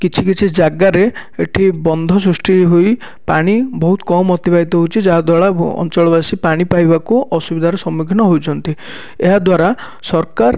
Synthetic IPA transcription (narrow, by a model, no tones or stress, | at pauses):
kit͡ʃʰikit͡ʃʰid͡ʒaɡaɾeeʈʰibɔnd̪ʱɔs̬ɾusʈiɦoj | paɽ̃ibɔɦut̪ɔ̥kɔmɔt̪ibait̪ɔɦowt͡ʃʰid͡ʒaɦad̪waɭaɔ̰nt͡ʃɔɭɔbasipaɽ̃ipajbakuʔɔsubid̪ʱaɾɔsɔmikʰinɔɦowt͡ʃʰɔnt̪i | eɦad̪waɾa | sɔɾkaɾ